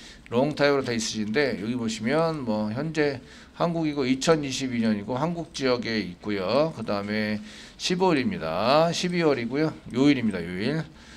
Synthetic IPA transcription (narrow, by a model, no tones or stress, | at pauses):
ɾoŋtʰajɾoteis͈ɯɕinde̞jʌɡiboɕʰimjʌnmwʌçjʌnd͡ʑe̞ | hanɡuɡiɡoit͡ɕʰʌniɕʰibiɲʌɲiɡoɦanɡuk̚t͡ɕ͈ijʌɡe̞it̚k͈ojokɯdaɯme̞ | ɕʰiboɾimɲida̰ɕʰibiwʌɾiɡojojoiɾimɲidajoiɭ